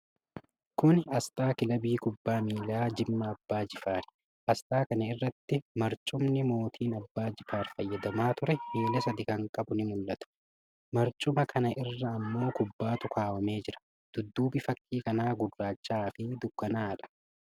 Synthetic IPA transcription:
kʊnɐst̪aːkɪlɐbiːkʊbːaːmiːlaːd͡ʒɪmːɐːbːaːd͡ʒɪfaːɾ | ʔɐst̪aːkɐnɐɪrːɐt̪ːɪmɐɾt͡ʃʼʊmnɪmo̞ːt̪ʰiːnɐbːaːd͡ʒɪfaːɾfɐjːɐd̪ɐmaːt̪ʊɾɛmeːlɐsɐd̪ɪkɐŋkʼɐbʊnɪmʊlːɐt̪ɐ̥ | mɐɾt͡ʃʼʊmɐkʰɐnɐʔɪrːɐːmːo̞ːkʊbːaːt̪ʊkʰaːwɐme̞ːd͡ʒɪɾɐ̥ | d̪̥ʊd̪ːuːbɪfɐkʼːiːkɐnaːɡʊrːaːt͡ʃːaːfɪd̪ʊkːɐnaːᶑɐ̥

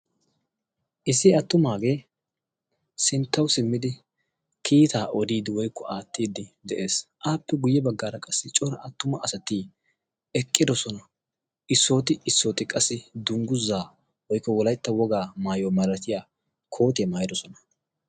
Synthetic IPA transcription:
ʔɪsːɪɐt̪ːʊmaːɡe̞ː | sɪnt̪ːɐwsɪmːɪd̪ɪ | kʰiːt̪aːʔɔd̪iːd̪ɪwɔjkːɔʔaːt̪ːiːd̪ɪd̪ɛʔe̞ːsʔaːpːɛɡʊjːɛbɐɡːaːɾɐkʼɐsːɪt͡ʃʼɔɾɐʔɐt̪ːʊmɐʔɐsɐt̪i | ɛkʼːɪd̪ɔsɔnɐ | ʔɪsːo̞ːt̪ɪɪsːo̞ːt̪ɪkʼɐsːɪd̪ʊŋɡʊzːaː | wɔjkːɔwɔlɐjt̪ːɐwɔɡaːmaːjoːmɐɾɐt̪ɪjaː | kʰo̞ːt̪ɪɛmaːjɪd̪ɔsɔnɐ̥

